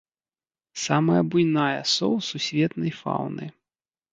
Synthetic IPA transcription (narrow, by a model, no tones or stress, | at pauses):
samɐjɐbujnajɐsɔ̰wsusʲvʲɛt̪nɐjfa̰wnɨ̰